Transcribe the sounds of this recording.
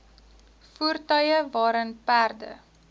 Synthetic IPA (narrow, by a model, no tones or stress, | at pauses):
fuərtœjəvɑːɾənpærdə̰